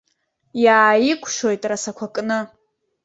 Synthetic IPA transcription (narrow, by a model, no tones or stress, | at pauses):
jaːjɪkʷʰʼʃo̞jtʼrasakʷʰakʼnɨ